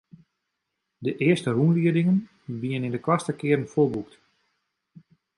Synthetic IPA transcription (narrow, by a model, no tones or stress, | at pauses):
dəʔɪəstərunliədɪŋən | biənɪndəkwastəkɪərənfoːbukt